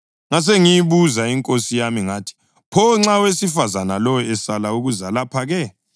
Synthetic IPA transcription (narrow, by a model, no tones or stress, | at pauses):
ŋas̬eŋijiβuzaiŋkʼosijamiŋatʰi̥ | pʰɔŋ͡ǁawesifazanalɔjɔɛsalauɣuzalapʰaɣɛ